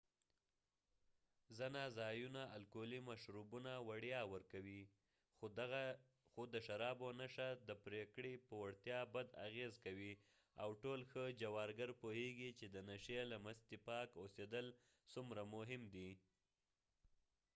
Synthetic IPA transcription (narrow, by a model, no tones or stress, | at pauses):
zənazɑjunaalkolimaʃɾubunawaɽjɑwəɾkawi | xɣa | xod̪əʃaɾɑbonaʃad̪əpɾekɽepəwaɽt̪jɑbad̪a̰ɣezkawi | awʈolxəd͡ʒawɑɾɡaɾpoheɡit͡ʃed̪ənaʃelamast̪ipɑkosed̪əl | sumɾamʊɦɪmd̪i